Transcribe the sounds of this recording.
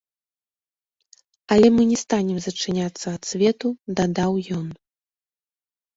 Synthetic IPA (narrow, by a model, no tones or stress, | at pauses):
ɐlʲɛmɨnʲɛst̪anʲɛmzɐt͡ʂɨnʲat̪sːɐɐt̪sʲvʲɛt̪ud̪ad̪awjɔn